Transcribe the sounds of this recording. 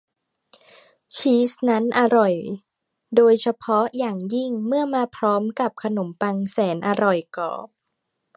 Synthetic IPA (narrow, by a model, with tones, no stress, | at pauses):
t͡ɕʰiː˦˥sna˦˥nʔa˧ɾɔ˨˩j | doː˧jt͡ɕʰa˧pʰɔ˦˥jaː˨˩ŋji˥˩ŋmɯ˥˩ɐmaː˧pʰɾɔː˦˥mka˨˩p̚kʰa˧no˩˦mpa˧ŋsɛː˩˦nʔa˧ɾɔ˨˩jkɔ̰ː˨˩p̚